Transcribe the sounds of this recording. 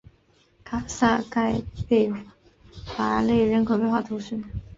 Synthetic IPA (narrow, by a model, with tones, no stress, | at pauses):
kʰa˨˩sa˥˧ka˥˧ɪpe˥˩ɪ | fa˧˩le˥˩ɪɻə˧˥nkʰo˨˩ʊpe˥˧xwa˥˩t̪ʰʊ˧˥ɕy˥